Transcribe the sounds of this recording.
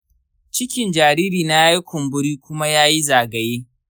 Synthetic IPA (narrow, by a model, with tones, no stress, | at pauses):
t͡ʃɪ˦kʲɪ˨nd͡ʒaː˨ɾiː˦ɾiː˨na˦a˦ji˦kʷʊ˨mbʊ˦ɾiː˦kʷʊ˦ma˦jaː˦ji˦zaː˨ɡɐ˨jeː˦